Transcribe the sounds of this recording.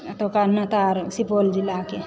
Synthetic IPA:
t̪okanət̪aɾsipold͡ʒilake

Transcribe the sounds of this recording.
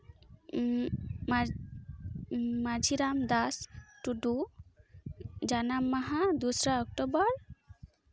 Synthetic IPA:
ma | mad͡ʒʱiɾamd̪asʈuɖu | d͡ʒanamːaɦad̪usɾaɔk̚ʈobɔɾ

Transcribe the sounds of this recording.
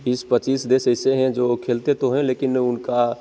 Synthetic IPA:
bispət͡ʃiːsd̪eːsɛːseɦɛ̃d͡ʒoːkʰeːlt̪et̪oɦɛ̃leːkɪnʊnka

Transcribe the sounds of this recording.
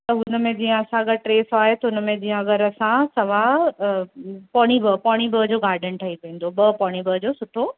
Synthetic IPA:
t̪ɐɦʊnə̆mẽd͡ʑiːə̃ɐsãɐɡɐɾʈɾeːsaːɦet̪ɐʊnəmẽd͡ʑĩːə̃ɐɡəɾɐsãsɐʋa | pɔːɽ̃ibɐpɔːɽ̃ibəd͡ʑoːɡaːɾɖənʈʰɐipẽːn̆d̪obɐpɔːɽ̃ibɐd͡ʑoːsʊʈʰo

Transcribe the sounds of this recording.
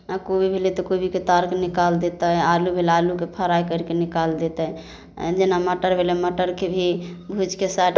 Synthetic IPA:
akobʱibʱelet̪ɔkobʱiket̪aɾknikald̪et̪əalubʱelalukepʰəɾajkəɾikenikald̪et̪əj̰ | d͡ʒenaməʈəɾbʱeleməʈəɾkebʱibʱud͡ʒkesaʈ

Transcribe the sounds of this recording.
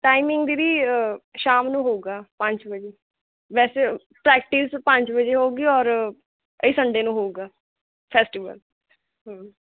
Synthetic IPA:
ʈaːimɪ̃ŋɡd̪iːɾiːʃaːmnũːɦoːɡaːpə̃ɲt͡ʃbəd͡ʒeː | ʋɛːseː | pɾɛːk̚ʈiːspə̃ɲt͡ʃbəd͡ʒeːɦoːɡiːɔːɾ | əiːsəɳɖeːnũːɦoːuɡaː | pʰɛːsʈiːʋə̰l | ɦə̃ː

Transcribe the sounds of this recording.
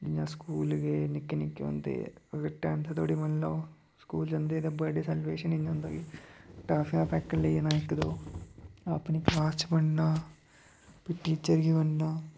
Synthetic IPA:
d͡ʒɪjãːskuːlɡeːnɪkːeːnɪkːḛɦõ̰ːnd̪ḛːəɡəɾʈːɛːmt̪ʰeːt̪ʰoːɽiːmənlaː | skuːld͡ʒənd̪eːd̪ẽbəɖesɛːlʋeːʃənɪɲɦʊ̃nd̪aːɡiːʈaːpʰɪŋaːpʰɛːkːəleiːnãːɪkd̪oː | əpniːkaːt͡ʃbəɳnaː | pɪʈːiːt͡ʃəɾɡiːbənːaː

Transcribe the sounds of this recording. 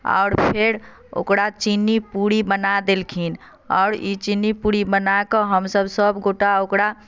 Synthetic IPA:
a̰ʊɾpʰeɾ | o̰kɽat͡ʃinːipuɽibənad̪elkʰin | ɔ̰ʊɾit͡ʃinːipuɽibənakəɦəmsəbsəbɡoʈaokɽa

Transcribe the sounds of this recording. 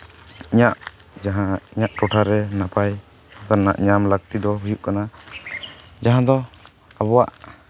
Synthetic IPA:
iɲaʔ | d͡ʒaɦaiɲaʔʈɔʈʰaɾɛnapaj | akaɾna̰ʔɲamlaɡ̚t̪id̪ɔɦujuʔkana | d͡ʒaɦãd̪ɔ | abɔwaʔ

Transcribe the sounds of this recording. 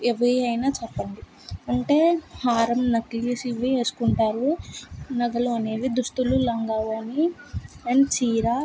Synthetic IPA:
eʋɐɐjnaːt͡ʃɛpːɐɳɖi | ɐɳʈe̞ːhaːɾɐmnɐklisiʋieːsu̥kuɳʈaːɾunɐɡɐluɐne̞ːʋid̪uʂʈululɐŋɡaːʋoɐniɐnt͡ʃiːɾaː

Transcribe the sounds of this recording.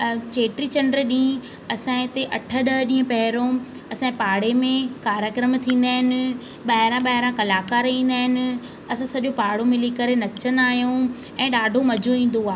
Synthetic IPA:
t͡ɕeːʈɾit͡ɕɐ̃ɳɖɾɗĩː | ɐsãːɪ̃t̪eʔɐʈʰə̆ɗəɦɗĩːə̃pɐɦɪɾõ | ɐsãpaːɽemẽkaːɾjəkɾəmt̪ʰĩːn̆d̪aːɦɪnɪ̆ | ɓaːɦɪɾãɓaːɦɪɾãkɐlaːkaːɾĩːnd̪aːɦɪnɪ̆ | ɐsãsɐʄopaːɽomɪlikɐɾenɐt͡ɕənaːɦjũ | ɛ̃ːɗaːɖʱomɐd͡ʑʱoĩːn̆d̪oaː

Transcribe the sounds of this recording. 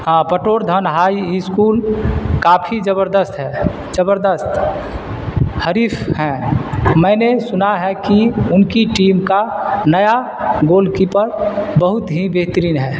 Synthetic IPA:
apəʈoːɾd̪ʱənɦaːiiskuːlkaːpʰid͡ʒəbəɾd̪əst̪ɦɛː | d͡ʒəbəɾd̪əst̪ | həɾiːpʰhɛ̃mɛ̃ːnesʊnaɦɛkiʊnkiʈiːmkanəja | ɡoːlkipəɾbəɦʊt̪ɦibeɦt̪əɾiːnɦɛː

